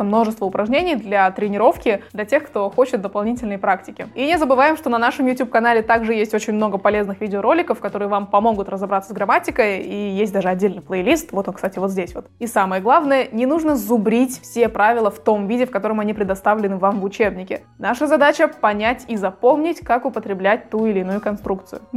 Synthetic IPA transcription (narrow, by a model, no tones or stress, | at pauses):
əmno̞ʐɨst̪vəʊpɾʔɐʐnʲenʲɪjd̪lʲɐt̪ɾʲɪnʲɪɾo̞fkʲɪd̪lʲɐtʲe̞xkt̪o̞xo̞t͡ɕɪt̪̚d̪əpɐlˠnʲitʲɪlʲnəjpɾaktʲɪkʲɪinʲɪzəbɨvajɪmʂt̪o̞nɐnaʂɨmjʊtʲup̚kɐnalʲɪt̪aɡʐɨjesʲtʲo̞t͡ɕɪnʲmno̞ɡəpɐlʲe̞znɨxvʲidʲɪoɾo̞lʲɪkəfkɐt̪o̞ɾɨjəvampɐmo̞ɡʊt̪rəzɐbɾat̪səsɡɾɐmatʲɪkəjijesʲt̚ʲd̪aʐɨɐdʲːelʲnɨɪjplˠəjlʲist̪vo̞t̪okst̪atʲɪvo̞t̪zʲdʲesʲvo̞t̪isaməjəɡlˠavnəjənʲɪnuʐnəzʊbɾʲitʲfsʲepɾavʲɪlˠəft̪o̞mvʲidʲɪfkɐt̪o̞ɾəmɐnʲipɾʲɪd̪ɐst̪avlʲɪnɨvamvʊt͡ɕe̞bnʲɪkʲɪ̰ | naʂəzɐd̪at͡ɕəpɐnʲætʲizɐpo̞mnʲɪtʲkakʊpət̪ɾʲɪblʲæt̚ʲt̪uɪlʲɪːnujʊkɐnst̪ɾuk̚t̪sɨjʊ̰